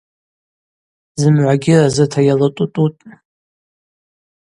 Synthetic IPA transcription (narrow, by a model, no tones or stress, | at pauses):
zɨmʕʷaɡʲɪrazɨtʰajalatʼutʼutʼ